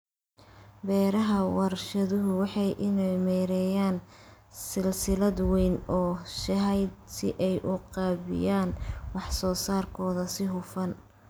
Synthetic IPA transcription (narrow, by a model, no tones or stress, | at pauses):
bɛːɾɐɦɐwɑɾʃɐðʊɦʊwɑħɑjʔɪnɛjmɛːɾɛjaːn | sɪlsɪlɐd̪wɛjnɔːʃɐɦɛjd̪sɪʔɛjʔʊqɑːβɪ̰jaːnwɑħsɔːsaːrkʰɔːðɐsɪɦʊfɐn